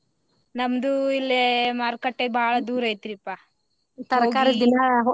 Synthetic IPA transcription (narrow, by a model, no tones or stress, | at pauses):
nɐmd̪uilːemaːɾkɐʈːebʱaːɭɐd̪uːɾɐjt̪iɾipːa | t̪ɐɾɡkaːɾid̪inɐɦo